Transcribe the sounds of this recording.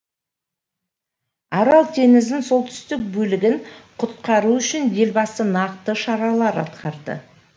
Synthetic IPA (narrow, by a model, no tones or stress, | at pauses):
ɑɾɑlˠt̪ʰe̞ŋɪzd̪ɪnso̞lˠt̪ʏ̥st̪ɪk̚bɵlɪɡʲɪŋqʰʊt̪̚qɑɾuʏʃɪnd̪e̞lbɑsənɑqt̪əʃɑɾɑlˠɑɾɑ̰t̪qʰɑɾd̪ə̰